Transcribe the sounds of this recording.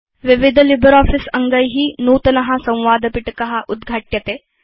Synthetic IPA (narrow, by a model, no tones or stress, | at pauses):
ʋiʋid̪ʱlibʱəɾɔːfisɐŋɡəjɦiːnuːt̪ɐnɐɦasɐ̃w̃ʋaːd̪əpiʈkɐɦaʔud̪ɡʱaʈjɐt̪e